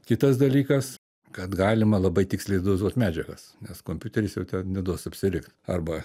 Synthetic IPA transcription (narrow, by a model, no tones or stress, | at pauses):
kʲɪt̪ɐsd̪ɐlʲiːkɐs | kɐt̪ɡɑːlʲɪmɐlˠɐbɐɪt̪ʲɪksʲlʲeɪd̪ʊɪzuɔt̪ʲmʲæːd͡ʒʲɛɡɐs | nʲɛskoːmʲpʲut̪ʲɛɾʲɪsjɛʊt̪ʲɛnnʲɛd̪uɔsɐpʲsʲɪɾʲɪkt̪ɐrbɐ